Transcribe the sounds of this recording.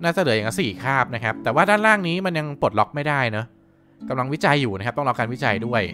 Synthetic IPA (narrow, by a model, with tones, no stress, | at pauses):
naː˥˩t͡ɕa˨˩lɯː˩˦ja˨˩ŋa˦˥siː˨˩kʰaː˥˩p̚na˦˥kʰa˦˥p̚t̪ɛː˨˩waː˥˩daː˥˩nɾaː˥˩ŋniː˦˥ma˧nja˧ŋpo˨˩t̪̚lɔ˦˥k̚ma˥˩jdaː˥˩jnɤ˦˥ | ka˧mla˧ŋwi˦˥t͡ɕa˧jːuː˨˩n˦˥kʰa˦˥t̪ɔ˥˩ŋla˧wkaː˧nwi˦˥t͡ɕa˧jdu˥˩əj